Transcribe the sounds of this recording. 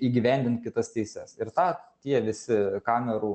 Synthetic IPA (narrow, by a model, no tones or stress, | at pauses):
iːɡʲɪʋʲɛˑnʲd̪ʲɪnt̪̚kʲɪt̪ɐst̪ʲɛɪsʲɛsɪɾt̪ɑːt̪ʲiɛʋʲɪsʲɪkɑːmʲɛɾuː